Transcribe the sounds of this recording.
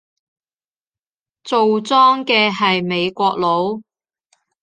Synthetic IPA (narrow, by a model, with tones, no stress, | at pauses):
t͡so˨wt͡sɔː˥ŋkɛː˧ɦɐ˨jme˨˧jkʷɔː˧k̚lo˨˧w